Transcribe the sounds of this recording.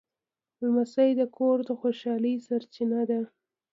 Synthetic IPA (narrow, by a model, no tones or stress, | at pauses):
lmasajd̪əkʰoɾd̪əxoʃɑlisaɾt͡ʃinad̪a